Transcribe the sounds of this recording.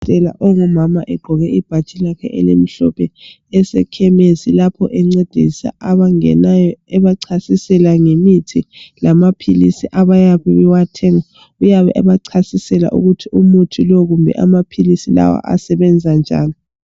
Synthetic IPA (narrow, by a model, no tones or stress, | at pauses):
tʼɛla̰ʔoɣumamaʔɛɡ͡ǃʱɔɣɛib̥ʱat͡ʃʼilakʰɛ̰ʔɛ̰lḛm̩ɬɔpʰɛ | ɛsɛkʰɛmezilapʰɔ̰ʔɛŋ͡ǀed̥ʱisa̰aβaŋɛ̰najɔɛβaǀʰasisɛlaŋemitʰilamapʰilḭsiʔaβajaβɛɛwatʰɛŋa | ujaβɛ̰ʔa̰βaǀʰasisɛla̰ʔṵɣutʰiumutʰilɔɣumbʱɛ̰ʔamapʰilisila̰wa̰ʔa̰sɛβɛnd͡zʱand͡ʒʱa̰ːlɔ